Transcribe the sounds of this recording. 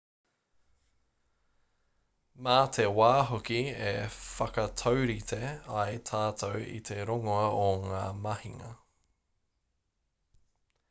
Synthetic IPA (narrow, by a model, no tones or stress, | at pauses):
maːt̪ʰewaːɦokiefɐkɐt̪ʰowɾit̪ʰeɐjt̪ʰaːt̪ʰowḭt̪ʰeɾoŋoɐʔoŋaːmɐhiŋɐ̰